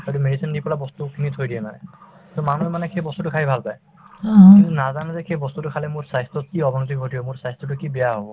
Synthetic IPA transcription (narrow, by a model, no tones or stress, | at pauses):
ɔjtumedisindipɔlabɔstukʰinitʰojdijɛnaɛ | tɔmanuɛmanɛxʰejbɔstutʊkʰaibʱalpaj | kint̪unazanɔzɛkʰejbɔst̪utukʰalɛmuɹsajstɔt̚kiɔbʱɔnot̪ik̚bʱotijɔmuɹsajstɔt̬ukibɛjaɦobɔ